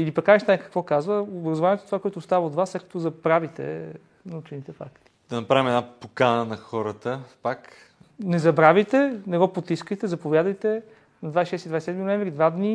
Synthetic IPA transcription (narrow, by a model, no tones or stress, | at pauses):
ilipɐkaiʃt̪ajkɐ̥kvɔkazvəobɾɐzovaniɛt̪o̥t̪ovakoɔɛt̪oʊːst̪avəod̪vaslɛt̪kə̥t̪ozɐpɾavit̪ɛ̰ | nɐut͡ʃinit̪ɛfa̰kt̪i̥d̪̥ɐnɐpɾavʲimɛd̪napokanənɐxɔɾət̪əpak | nɛzɐbɾavijt̪ɛnɛɡɔpot̪iskəjt̪ɛzɐpovjad̪əjt̪ɛ | nɐd̪vajsʃɛst̪id̪vajssɛd̪minoɛ̃ɱvɾid̪vad̪ni